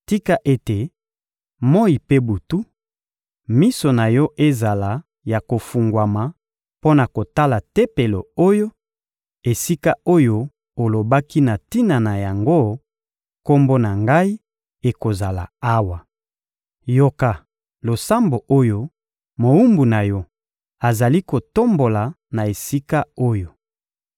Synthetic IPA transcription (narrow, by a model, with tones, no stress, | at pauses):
ti˦ka˦ʔe˦te˨ | mo˦i˨pe˦bu˨tu˦ | mi˦so˨na˨jɔ˦ʔe˦za˨la˨ | ja˨ko˨fu˨ŋɡwa˨ma˨ | po˦na˨ko˨ta˦la˨te˦pe˨lo̰˨o˦jo˦ | e˨si˦ka˦o˦jo˦ | o˨lo˨ba˦ki˦na˨ti˦na˨na˨ja˨ŋɡo˦ | ko˦mbo˦na˨ŋɡa˦i˦ | e˨ko˨za˨la̰˨a˦wa˨ | jo˦ka˨ | lo˨sa˦mbo˨ʔo˦jo˦ | mo˨u˦mbu˨na˨jɔ˦ | a˨za˨li˦ko˨to˦mbo˨la˨ | na˨e˨si˦ka˦o˦jo˨